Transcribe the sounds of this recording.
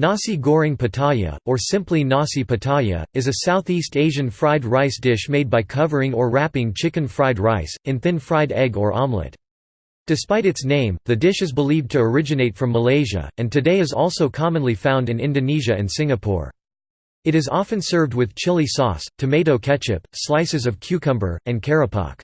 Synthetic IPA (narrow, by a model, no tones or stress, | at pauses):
nɑsiɡɔɹɪ̃ŋpʰɨtʰɑjɨ̰ə˞sɪ̃mplinɑsipɨtʰɑjɨ̰ɨzɨsaʊθisteɪʒɨ̃nfɹaɪd̚ɹaɪsd̥ɪʃmeɪd̚baɪkʰʌvə˞ɪ̃ŋə˞ɹæpɪ̃ŋt͡ʃʰɪkɨ̃nfɹaɪd̚ɹaɪsɨ̃nθɪ̃nfɹaɪɾɛɡə˞ʔɑmlɪ̰t | d̥ɨspaɪɾɨtsnẽɪ̃mðɨdɪʃɨzbəliv̚tʰɨə˞ɪd͡ʒɨneɪtfɹʌ̃mːəleɪʒɨ̰ɨ̃ntʰɨdeɪɨzɔlˠsoʊkʰɑmə̃nlifãʊ̃ndɨ̃nɪ̃ndɨniʒɨɨ̃nsɪ̃ŋɨpʰɔ̰ɹ | ɨɾɨzɑfɨ̃nsɜ˞vd̚wɨð̥t͡ʃʰɪlˠisɔ̰stʰɨmeɪɾoʊkʰɛt͡ʃɪ̰pslaɪsɨzʌv̥kʰj̥ʉkʰʌ̃mbə̰˞ɨ̃nkʰɛɹɨpʰɑ̰k